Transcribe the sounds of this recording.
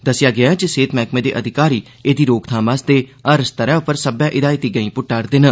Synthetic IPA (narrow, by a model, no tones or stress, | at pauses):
d̪əsɪjaːɡɪad͡ʒɪseːt̪mɛːkmẽːd̪ḛːʔəd̪ʱɪkaːɾiː | eːd̪iːɾoːkt̪ʰaːmãːst̪eːəɾst̪əɾɛ̃ːʊpəɾsəbjãːʔɪd̪aːit̪iːɡəĩːpʊʈːaːɾd̪ɪn